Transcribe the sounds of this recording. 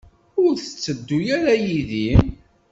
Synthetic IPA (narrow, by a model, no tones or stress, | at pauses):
ʊɾθə̥t͡sːəd̪ːujaɾajiðim